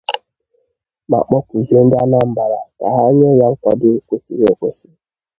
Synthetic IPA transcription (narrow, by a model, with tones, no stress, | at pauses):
ma̰˨k͡pɔ˦kʷu˨zi˨e˨n̩˦da˦na˦m̩˨ba˨ɾa˨ka̰˨ɦa˦ɲe˦ɲa˦ŋ̩˦kʷa˦dɪ˦kʷu˦sḭ˨ɾe˨kʷʊ˦si˦